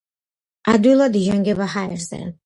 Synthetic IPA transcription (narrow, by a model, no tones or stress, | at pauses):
ad̪ilˠad̪iʒaŋɡɛbahaɛɾsɛ̰